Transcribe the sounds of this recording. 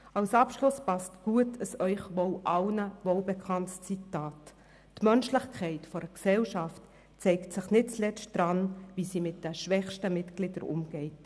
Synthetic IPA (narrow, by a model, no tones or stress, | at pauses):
ɑwsɑpʃlʊspɑstɡ̥uətʰəsœʏχʋɔwʔɑlnəvɔlbɛkʰɑntst͡sitaːtː | mœnʃlɪχkʰχɛɪtfɔɾəksɛlʃɑft | t͡sɛɪktsɪχnɪt̚t͡slɛt͡st̚d̥ɾɑnvisimɪt̚d̥ɛʃʋɛχʃtəmɪtɡ̥lɪdəɾʊ̰mɡ̥ɛɪt